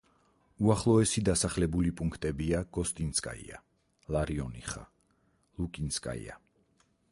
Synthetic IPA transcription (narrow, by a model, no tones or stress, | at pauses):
uaχlˠɔɛsid̪asaχlɛbulipʼuŋkʰt̪ʼɛbiaɡ̥ɔst̪ʼinskʼa̰ḭa̰ | laɾiɔnḭχa̰ | lˠukʼinskʼa̰ḭa̰